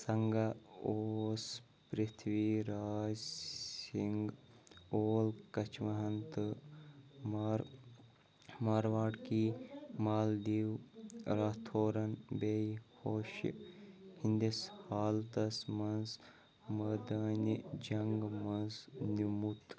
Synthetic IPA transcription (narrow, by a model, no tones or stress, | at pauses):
sɐŋɡaoːs | pɾit̪ʰʋiɾaːd͡ʒsiŋɡ | oːlkɐt͡ʃʋɐɦɐnt̪ɨ | mɾ | maːɾʋaːʈkiːmaːld̪iːwɾat̪ʰoːɾɐnbejhoːʃ | hind̪ishaːlt̪ɐsmɐnz | mɐd̪ɐːnʲid͡ʒɐŋɡmɐnznumut̪